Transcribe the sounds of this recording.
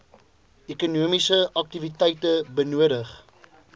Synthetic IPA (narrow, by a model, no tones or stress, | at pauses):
ekunuəmisəʔɐk̚tivitɛjtəbənuəɾəχ